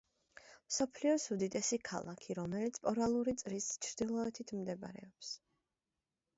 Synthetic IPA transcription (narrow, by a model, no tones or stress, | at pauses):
msɔpʰliɔsud̪it̪ʼɛsikʰa̰lˠakʰiɾɔmɛlit̪sʰpʼɔɾalˠuɾit̪sʼɾist͡ʃʰɾd̪̥ilˠɔɛt̪ʰit̪ʰmd̪ɛb̰ɾɛ̰ɔps